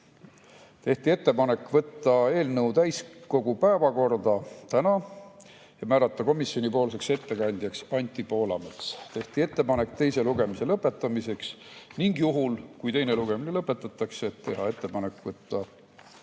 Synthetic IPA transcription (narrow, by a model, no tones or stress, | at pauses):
t̪e̞ht̪ie̞t̪ːe̞pɑne̞kːˑvɤt̪ːˑɑe̞ːlnɤwt̪æjsko̞ɡ̥upæevɑko̞rd̪ɑt̪ænɑ | jɑmæːɾɑt̪ːˑɑko̞misjonʲipo̞ːlse̞kse̞t̪ːe̞kɑnʲd̪̥jɑksɑnʲt̪ːˑipo̞ːlɑ̰met̪st̪e̞ht̪ie̞t̪ːe̞pɑne̞kːt̪e̞jse̞luɡe̞mise̞lɤpːˑe̞t̪ːˑɑmise̞ksniŋɡ̥juɦulkujt̪e̞jne̞luɡ̥e̞minelɤpːˑe̞t̪ːˑɑt̪ːˑɑkseːt̪ːe̞ɦɑe̞t̪ːe̞pɑne̞kːˑvɤt̪ːɑ